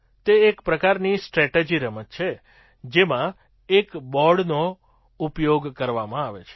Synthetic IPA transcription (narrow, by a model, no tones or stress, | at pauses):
t̪eekpɾəkaɾnisʈɾɛʈed͡ʒiɾəmət̪t͡ʃʰe | d͡ʒemã | ekbɔɽno | upjoɡkəɾʋamãaʋḛt͡ʃʰe̥